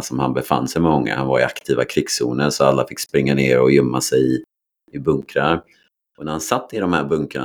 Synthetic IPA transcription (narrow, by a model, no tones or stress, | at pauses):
sɔmhanbɛfa̰nːsɛjmɛmɔŋːa̰hanvaɾɪakt̪ʰiːvakʰɾɪɡsṵːnənsɔalːafɪkːspɾɪŋːaneːɾɔjʏmːasɛjɪ | ɪbɵŋkɾaɾ | ɔnæɾhansat̪ʰːɪd̪ɔmhæɾbɵŋkɾaɳ